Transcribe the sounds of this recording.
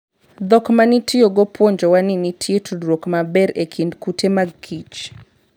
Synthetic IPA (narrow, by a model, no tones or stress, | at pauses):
d̪ɔkmanitʰɪjoɡɔpwoɲd͡ʒɔwaninitʰɪetʰudɾokmabɛɾekʰindkutʰemaɡkʰit͡ʃ